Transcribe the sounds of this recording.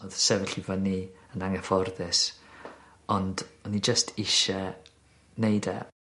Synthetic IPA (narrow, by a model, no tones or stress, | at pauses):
oðsɛvɛɬivaniənaŋɛfɔrðɪs | ɔndɔnid͡ʒəstʰɪʃɛ | nejdɛ̰